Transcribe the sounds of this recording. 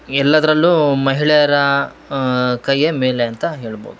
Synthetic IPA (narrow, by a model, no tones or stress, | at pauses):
ɛlːɐd̪ɐɾɐlːumɐɦiɭɛjɐɾɐ | kɐjːemeːleɐnt̪ɐɦe̞ːɭbo̰ːd̪uu